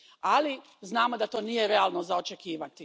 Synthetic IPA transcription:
ali | znaːmo̞d̪at̪o̞ːnije̞ɾe̞aːlˠnozaot͡ʃe̞kiːʋat̪i

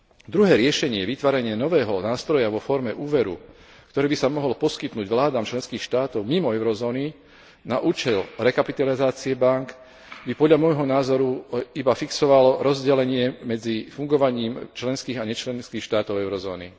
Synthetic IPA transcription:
d̪ɾuɦɛːɾɪɛʃɛɲɪɛʋit̪ʋaːɾɛɲɪanɔʋɛːɦɔnaːst̪ɾɔjaʋɔfɔɾmɛʔuːʋɛɾṵ | kt̪ɔɾɛːbisamɔɦɔlpɔskit̪nuːɟʋlaːd̪aːmt͡ʃlɛnskiːxʃt̪aːt̪ɔʊmimɔɛʊɾɔzɔːni | na̰ʔuːt͡ʃɛlɾɛkapit̪alizaːt͡siɛbaŋk | bipɔd̪ʎamɔjɦɔnaːzɔɾuibafiksɔʋalɔɾɔzɟɛlɛɲɪɛmɛd͡zifuŋɡɔʋaɲiːmt͡ʃlɛnskiːɣaɲɛt͡ʃlɛnskiːxʃt̪aːt̪ɔʊɛʊɾɔzɔːnḭ

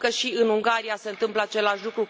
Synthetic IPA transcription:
kəʃiɨnuŋɡaɾiase̞ɨnt̪ɨmpləat͡ʃe̞laʃʲlukɾu

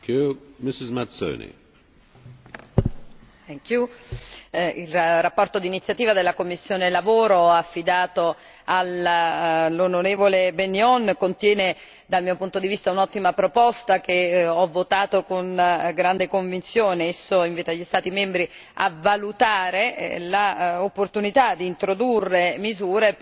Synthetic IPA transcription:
umɪsɪzmat̪so̰nḭ | ɛkju | ilrapːɔrt̪od̪iːnit̪sjat̪iːvad̪elːakomːisːjoːnelavoːɾoafːid̪aːt̪o | alː | onoɾeːvolebenjɔnkont̪jɛːne | d̪almiːopunt̪od̪ivist̪aunɔt̪ːimapɾopɔst̪ak̟eɔvːot̪aːt̪okonɡɾand̪ekoɱvint̪sjoːneesːoiɱviːt̪aʎːist̪aːt̪imembɾi | a̰valut̪aːɾḛlaopːort̪unit̪ad̪iːnt̪ɾod̪urːemizuːɾe

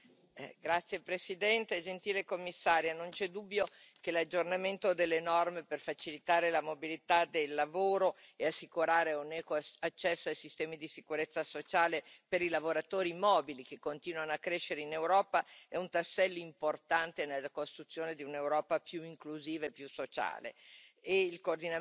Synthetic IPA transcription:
ɡɾat̪sːjepɾesid̪ɛnt̪ed͡ʒent̪iːlekomːisːaːɾjanont͡ʃɛd̪ubːjo | kelad͡ʒːornament̪od̪elːenɔrmeperfat͡ʃilit̪aːɾelamobilit̪ad̪elːavoːɾoeasːikuɾaːɾeunɛːkoat͡ʃːɛsːoajsist̪ɛːmid̪isikuɾet̪sːasot͡ʃaːlepeɾilavoɾat̪oːɾimɔːbilik̟ekːont̪iːnwanoakːɾeʃːeɾeinewɾɔːpaɛunt̪asːɛlːoimport̪ant̪enelːakost̪ɾut̪sːjoːned̪iunewɾɔːpapjuiŋkluziːvaepːjusːot͡ʃa̰ːlḛeilkoːrd̪ina

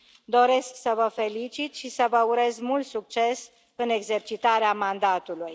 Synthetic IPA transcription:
d̪o̞ɾe̞sksəvəfe̞lit͡ʃit̪ʃisəvəuɾe̞zmult̪suk̚t͡ʃe̞s | ɨne̞ɡze̞rt͡ʃit̪aɾeamand̪at̪uluj

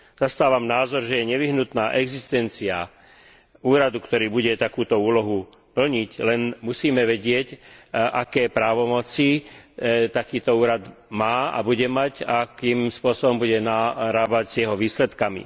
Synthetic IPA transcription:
z̥ast̪aːʋamnaːzɔɾʒɛjɛɲɛʋiɦnut̪naːʔɛɡzist̪ɛnt͡sia | uːɾad̪ukt̪ɔɾiːbuɟɛt̪akuːt̪ɔuːlɔɦu | pl̩ɲiclɛnmusiːmɛʋɛɟɪɛcʔakɛːpɾaːʋɔmɔt͡si | t̪akiːt̪ɔuːɾad̪maːa̰buɟɛmacakimspʊɔsɔbɔmbuɟɛnaɾaːbaɟzɪjɛɦɔʋiːslɛt̪kamḭ

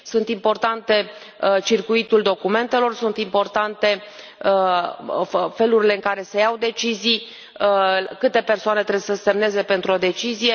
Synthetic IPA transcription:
sunt̪impo̞rt̪ant̪e̞ | t͡ʃirkuit̪uld̪o̞kume̞nt̪e̞lo̞rsunt̪impo̞rt̪ant̪e̞ | fe̞luɾile̞ɨŋkaɾe̞sejawd̪e̞t͡ʃizij | kɨt̪e̞pe̞rsoane̞t̪ɾebsəse̞mne̞ze̞pe̞nt̪ɾuo̞d̪e̞t͡ʃizije̞

